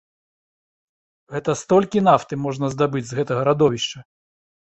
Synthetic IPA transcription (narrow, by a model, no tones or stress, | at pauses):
ɣɛt̪ɐst̪ɔlʲkʲin̪aft̪ɨmɔʐnɐzd̪abɨd͡zʲzɣɛt̪ɐɣɐɾad̪ɔvʲiʂt͡ʂɐ